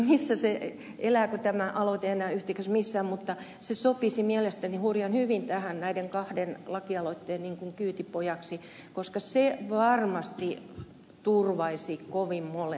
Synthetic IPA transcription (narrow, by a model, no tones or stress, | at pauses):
misːæse | elæːkut̪æmæʔɑlot̪eenæːyht̪iksæsmisːæːmmut̪ːɑ | sesopisimielest̪ænihurjɑnhyʋint̪æhænnæideŋkɑhdenlɑkiɑloit̪ːeːnniŋkuŋkyːt̪ipojɑksi | koskɑseʋɑrmɑst̪i | t̪urʋɑisikoʋimmole